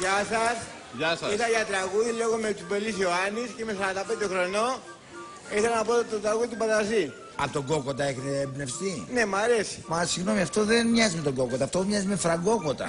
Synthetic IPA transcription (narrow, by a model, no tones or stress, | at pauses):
ʝɐsɐs | ʝɐsɐiθɐʝɐt̪ɾɐɣuðiloɣomet͡s̪ubelisioɐnisceimesɐɐt̪ɐpend̪oxɾo̞no̞ | iθelɐnɐpot̪ot̪ɾɐɣuðit̪upɐðɐzi | ɐ̰pot̪oɡo̞kot̪ɐeçneːbne̞fst̪ine̞mɐɾe̞si̥mɐsiɣno̞miɐft̪o̞ðenmɲɐzimet̪oɡo̞kot̪ɐft̪omɲɐzimefɾɐɡo̞kot̪ɐ̰